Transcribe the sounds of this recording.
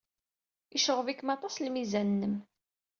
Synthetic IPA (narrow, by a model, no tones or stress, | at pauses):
iʃəʁvikːəmɑt̪ˤɑslmizænːəm